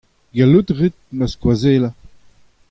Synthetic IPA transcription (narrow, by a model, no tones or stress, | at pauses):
ɡalutʁit̪̚məskwazeːla